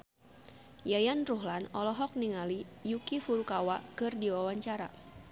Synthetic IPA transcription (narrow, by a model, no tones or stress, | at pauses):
jajanruɦlanɔlɔɦɔk̚niŋalijukifuɾukawakɨrdiwawaɲt͡ʃaɾa̰